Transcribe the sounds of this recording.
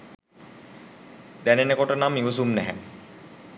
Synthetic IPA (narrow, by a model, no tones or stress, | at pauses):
d̪ænenəkoʈənamːiʋos̬umnæɦæ̰